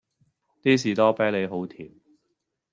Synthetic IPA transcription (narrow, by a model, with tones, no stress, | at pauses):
t̪iː˥s̬iː˨˩t̪ɔː˥pe˨˥le˨˧jɦo˨˥wt̪ʰiː˨˩m